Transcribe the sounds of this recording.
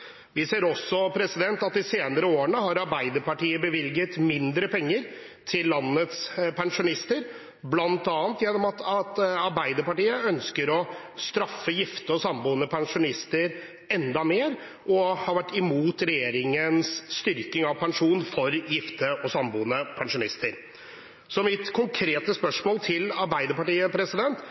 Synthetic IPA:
ʋɪseːɾɔsːɔpʰɾɛsɪd̪ɛnt̪ɑt̪ɪseːnəɾəoːəɳəɦɑɾɑɾbæɪd̪əɾpɑʈiːəbəʋɪlɡət̪mɪnd̪ɾəpʰɛŋːəɾ | t̪ʰɪlːɑnːət̪spʰɛŋʂʊnɪst̪əɾ | blɑnt̪ɑːnt̪jɛnːɔmɑt̪ʰɑt̪ɑɾbæɪd̪əɾpɑʈiːəœnskəɾɔ | st̪ɾɑfːəjɪft̪əɔsɑmbuːənəpʰɛŋʂʊnɪst̪əɾ | ɛnd̪ɑmeːɾ | ʔɔhɑɾʋæʈːɪmuːt̪ɾɛjeːɾɪŋənsːt̪ʏɾkɪŋɑʋpʰɛŋʂuːnfɔɾjɪft̪əɔsɑmbuːənəpʰɛŋʂʊnɪst̪əɾ | sɔmɪt̪kʰʊŋkʰɾeːt̪əspœʂmoːlt̪ʰɪlɑɾbæɪd̪əɾpɑʈiːəpʰɾɛsɪd̪ɛnt̪

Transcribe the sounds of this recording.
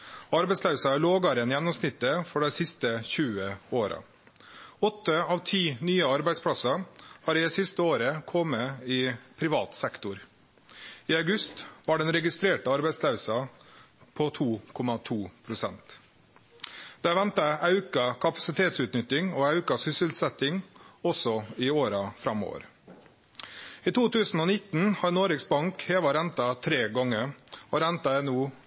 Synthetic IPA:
ɑɾbæɪslɑʉsɑæɭoːɡɑɾɪənjɛnːɔmsnɪt̪ːəfɔɖæɪsɪst̪əçʉːəoːɾɑ̰ | ɔt̪ːəɑːʋt̪ʰiːnyːəɑɾbæɪspʰlɑsɑhɑːɾɪd̪ɛsɪst̪əoːɾəkʰɔmːəɪpʰɾɪʋɑ̰ːt̪sɛkt̪ʊɾ | ɪɑʉɡʉst̪ʋɑɖɛnɾɛɡɪst̪ɾeːʈəɑɾbæɪslɑʉsɑ | pʰɔt̪ʰuːkʰɔmɑt̪ʰuːpʰɾʊsɛ̰nt̪ | d̪̥ɛæʋɛnt̪ɑɑʉkɑkʰɑpɑ̥sɪt̪ʰeːt̪sʉːt̪nʏt̪ːɪŋɔːɑʉkɑsʏsəlsɛt̪ɪŋɔsɔɪoːɾɑfɾɑmo̰ːʋə̰ɾ | iːt̪ʰuːt̪ʉːsn̩oːnɪt̪ːnhɑɾnoːɾɪksbɑŋkheːʋɑɾɛnt̪ɑt̪ʰɾeːɡɔŋːəɔɾɛnt̪ɑɛnuː

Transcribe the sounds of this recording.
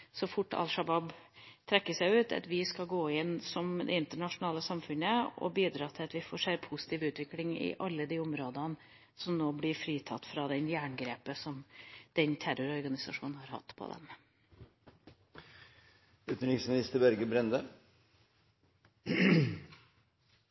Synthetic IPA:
sɔfʊʈːɑ̰lʂɑbɑbt̪ʰɾɛkːəʂæɪʉːt̪ɑ̰t̪ʋɪskɑɡoːɪnsɔmd̪ɛ̰ɪnt̪əɳɑʂʊnɑːləsɑmfʉnəɔ̰biːd̪ɾɑːt̪ʰɪlɑt̪ʋɪfoːʂæɾpʰʊsɪ̥t̪ʰiːʋʉːt̪ʋɪklɪŋɪ̰ʔɑlːəd̪iːʊmɾoːd̪ən | sɔmnoːblɪɾfɾiːt̪ʰɑt̪ːfɾɑd̪ɛnjæːɳɡɾeːpəsɔmd̪̥ɛnt̪ʰæɾʊɾɔɾɡɑnɪsɑ̰ʂṵːnn̩hɑɾhɑ̰t̪ːpʰɔ̰d̪ɛ̰m | ʉt̪n̩ɾɪsmɪnɪst̪əbæɾɡəbɾɛnd̪ə

